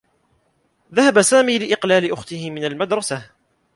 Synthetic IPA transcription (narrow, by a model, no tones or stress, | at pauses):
ðahabasaːmiːlɪʔɪqlaːlɪʔʊxt̪ɪhɪmɪnalmad̪ɾˤɑsa